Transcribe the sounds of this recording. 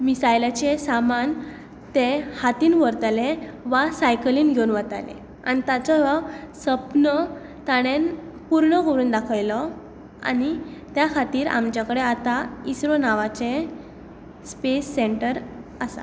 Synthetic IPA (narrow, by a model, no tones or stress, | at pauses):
misajlat͡ɕesaman | t̪ehat̪iːnʋəɾt̪leʋasajkəliːnɡʱeunʋət̪a̰lḛ̃ | a̰ñit̪at͡sɔʋasəpnə | t̪aɽ̃en | puɾɳəɡoɾuːnd̪akʰəjlɔ | a̰ɽ̃it̪jakʰat̪iːɾa̰mt͡ɕjakəɽeat̪aisɾonaʋat͡ɕe | spesːeɳʈəɾasa̰